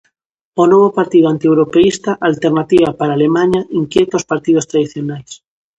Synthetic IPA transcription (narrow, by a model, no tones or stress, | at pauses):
onoβ̞opaɾt̪iðoant̪iewɾopeist̪aʔalt̪eɾnat̪iβapaɾaːlemãɲaʔiŋkjet̪ospaɾt̪ið̞ost̪ɾaðiθjonajs